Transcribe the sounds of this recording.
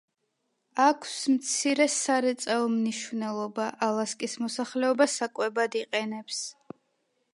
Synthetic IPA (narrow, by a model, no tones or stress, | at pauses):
akʰsmt̪sʰiɾɛsaɾɛt̪sʼaɔmniʃvnɛlˠɔbaʔalˠaskʼismɔsaχlɛɔbasakʼwɛbad̪iqʼɛnɛps